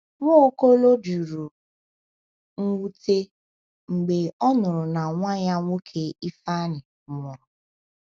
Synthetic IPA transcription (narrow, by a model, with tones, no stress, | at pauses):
ŋʷɔ˦ko˦lo˦d͡ʒu˨ɾu˨ | ŋ̩˦wu˦te˦ | ŋ͡m̩˨ɡ͡be˨ɔ˦nʊ˨ɾʊ˨na˨ŋʷa˦ja˦ŋʷo˦kʰe˦i˦fa˦nɪ˨mɔ˨ɾʊ˨